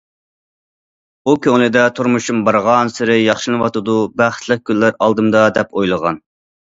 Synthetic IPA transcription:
ukʲʰøŋlɨd̪ɛt̪ʰuɾmuʃumbɑɾʁɑnsɪɾɪjɑχʃɨnɨwɑt̪ɨd̪ubæχt̪ʰlˠəq̚kʲʰylːæɾɑlˠd̪ɨmd̪ɑd̪ɛpʰojlˠəʁɑ̰n

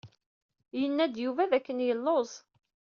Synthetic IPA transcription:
jənːæd̪juvæðækːənjəlːozˤ

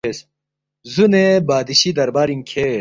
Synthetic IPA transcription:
es | zunebaːd̪iɕid̪ɐɾbaːɾiŋkʰe

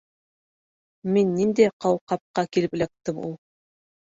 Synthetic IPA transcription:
menːind̪eqʰɑwqɑp̚qɑkʲelɪplʲɑt̪ːɤmṵlˠ

